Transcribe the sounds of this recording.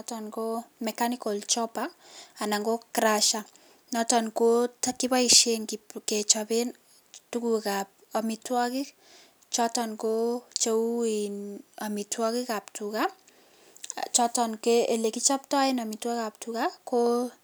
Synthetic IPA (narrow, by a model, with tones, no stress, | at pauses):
tɔnko˦mɛkaniko˨lt͡ʃɔ˦paa˨na˨ŋɡo˦kɾaʃa | nɔ˦tɔ˨nko˦taki˦pa˦iʃe˦nkke˨t͡ʃɔpe˦n | tuku˨kap̚a˨mitwɔ˦kɪ˦k | t͡ʃɔtɔ˨nko˦t͡ʃou˦ina˨mi˨twɔ˦ki˦ka˨ptuka | t͡ʃɔtɔnkee˨le˨ki˦t͡ʃɔ˦p̚ta˦ɪ˦nɔmi˨twa˦kap̚tukako